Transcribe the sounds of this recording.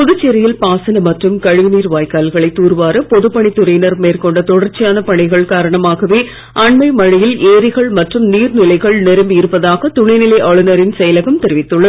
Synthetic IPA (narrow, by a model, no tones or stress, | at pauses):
pʊðɯt͡ʃːɛɾɐjɪlpaːsɐnɐmɐʈrɯmkɐɻɯʋɪniːɾʋaːjkaːlɣɐɭɐɪt̪ːuːɾʋaːɾɐpɔðɯpːɐɳit̪ʊrɐjnɐɾmeːrkɔɳɖɐt̪ɔɽɐrt͡ʃːɪjaːnɐpɐɳɪɣɐɭkaːɾɐɳɐmaːɣɐʋeː | ɐɳmɐɪmɐɻɪjɪleːɾɪɣɐɭmɐʈrɯmniːɾnɪlɐɪɣɐɭnɛɾɐmbɪɾɯpːɐðaːɣɐt̪ʊɳɐɪnɪlɐɪʔɐɭɯnɐɾɪnsɛjɐlɐɣɐmt̪ɛɾɪʋɪt̪ːɯɭːɐð